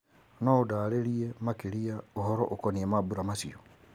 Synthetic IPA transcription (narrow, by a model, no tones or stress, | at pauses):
noodaleɾiemakeɾiaohɔɾɔ̰ʔokoniemabuɾamasio